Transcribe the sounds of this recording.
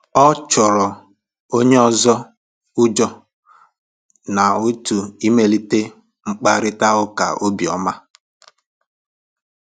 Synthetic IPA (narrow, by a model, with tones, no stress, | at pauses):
ɔ˦t͡ʃʊ˨ɾɔ˨ | o˦ɲe˦ɔ˦zɔ˦ | ʊ˦d͡ʒɔ˦ | na˨u˦tu˨i˦me˨li˦te˦ | ŋ͡m̩˦k͡pa˦ɾɪ˦ta˦ʊ˦ka̰˨o˦bi˨ɔ˨ma˦